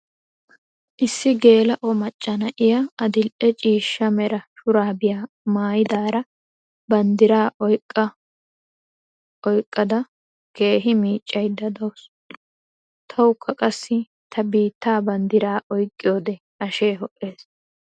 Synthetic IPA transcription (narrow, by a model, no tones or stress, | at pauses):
ʔɪsːɪɡe̞ːlɐʔɔmɐt͡ʃʼːɐnɐʔɪjaɐd̪ɪlʔɛt͡ʃʼiːʃːɐmɛɾɐʃʊɾaːbɪjaː | maːjɪd̪aːɾɐ | bɐnd̪ɪɾaːʔɔjkʼːɐ | ɔjkʼːɐd̪ɐ | ke̞ːɦɪmiːt͡ʃʼːɐjd̪ɐd̪ɐws | t̪ʰɐwʊkʰːɐkʼɐsːɪ | t̪ʰɐbiːt̪ːaːbɐnd̪ɪɾaːʔɔjkʼːɪjoːd̪ɛ | ʔɐʃe̞ːɦɔʔːe̞ːs